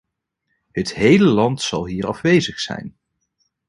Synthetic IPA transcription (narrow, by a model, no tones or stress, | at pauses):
ɦətɦejləlɑntsɑlˠɦiːrɑvʋejzəχsɛ̰jn